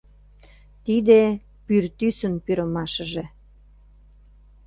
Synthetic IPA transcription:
t̪id̪e | pyrt̪ysənpyɾə̆mɑʃəʒe

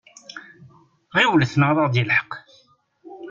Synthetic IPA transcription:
ʁiwləθnəʁðˤɑʁd̪jəlħə̥q

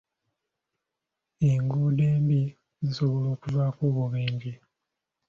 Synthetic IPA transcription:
eŋɡuːdeːmbi | ziso̞βo̞lo̞ːkuvaːkoːβuβiːɲɟi

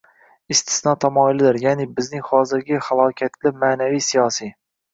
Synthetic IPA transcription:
ɪst̪ʰɪ̥snɒt̪ʰamɒɪlɪd̪ɪɾjanɪbɪznɪŋhɒzɪɾɡʲɪhalˠɒkʲʰat̪ʰlɪmanavijsijɒsi

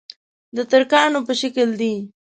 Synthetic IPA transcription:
d̪ət̪aɾkɑnopəʃakəld̪i

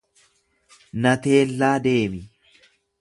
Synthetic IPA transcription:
nɐt̪e̞ːlːaːd̪e̞ːmɪ

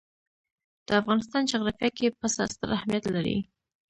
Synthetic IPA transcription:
d̪̥əafɣɑnɪst̪ɑnd͡ʒɑɣɾɑfjɑkepəsa̰st̪ə̰ɾahmijat̪laɾḭ

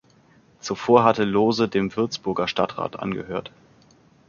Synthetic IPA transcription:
t͡sufoːɐɦatəloːzədeːmvɪɐt͡sb̥ʊɐɡɐʃtatʁ̥a̰ːtʔa̰nɡə̰høːɐt

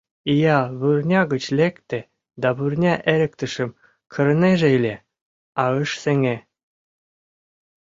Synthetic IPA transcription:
ijɑβurnʲɑɣə̆t͡ɕlʲekt̪ĕ | d̪ɑβurnʲɑʔeɾʲɘ̆k̚t̪ə̆ʃɘ̆m | kʰɤ̆ɾ̆neʒeilʲe | ɑəʃseŋe

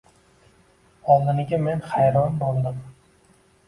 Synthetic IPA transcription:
ɒlˠd̪ɪnɪɡʲamenχajɾɒmbɒlˠd̪ɪm

